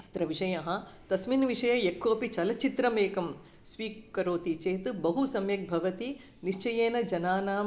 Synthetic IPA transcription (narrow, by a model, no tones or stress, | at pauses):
t͡ʃi̥t̪ɾɐʋiʂɐjɐɦɐ̆t̪ɐsminʋiʂɐjɐjekʰːoːpit͡ʃɐlɐt͡ʃit̪ɾɐmeːkɐm | sʋiːkɐɾoːt̪it͡ʃeːt̪ɨbɐɦusɐmjɐk̚bʱɐʋɐt̪i | niʃt͡ʃɐjeːnɐd͡ʒɐnaːnaːm